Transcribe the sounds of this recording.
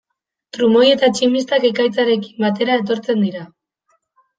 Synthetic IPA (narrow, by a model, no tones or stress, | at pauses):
t̪ɾumo̞je̞t̪at͡ʃimist̪ake̞kajt͡saɾe̞ki̥mbat̪e̞ɾae̞t̪o̞ɾt͡se̞nd̪iɾa